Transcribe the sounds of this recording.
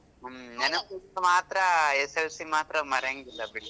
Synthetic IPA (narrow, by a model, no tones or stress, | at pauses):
mnɛnɐuɐmaːt̪ɾɐeselsimaːt̪ɾɐmɐɾeŋɡilːɐbiɽ